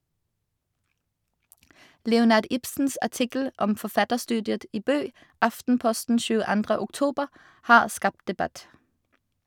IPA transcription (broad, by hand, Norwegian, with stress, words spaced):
ˈlɛʊˌnɑːʁd ˈɪpsn̩s æˈʈɪkl̩ ˈʔɔm fɔˈfɑtəʁˌstʉːdɪət ˈiː ˈbøː ˈɑftn̩ˌpɔstn̩ ʃʉːəˈɑndʁə ʊkˈtuːbəʁ ˈhɑːʁ ˈskɑpt dɛˈbæt